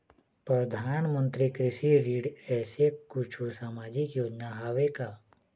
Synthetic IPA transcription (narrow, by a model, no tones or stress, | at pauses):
pɾəd̪ʱaːnmə̃nt̪ɾikɾɪʃiɾiːɖɛːsekʊt͡ʃʰusaːmaːd͡ʒɪkjoːd͡ʒnaɦaʋekaː